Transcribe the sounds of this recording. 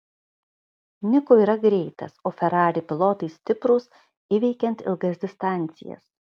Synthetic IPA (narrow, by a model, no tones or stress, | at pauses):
nʲɪkoːiːɾɐɡɾʲɛɪt̪ɐ̰soːfʲɛɾɑːɾʲɪpʲɪlˠoːt̪ɐɪsʲt̪ʲɪpɾʊs | iːʋʲɛɪkʲɛnt̪ɪ̰lˠɡɐsʲd̪ʲɪst̪ɑˑnʲt̪sʲɪ̰jɛ̰s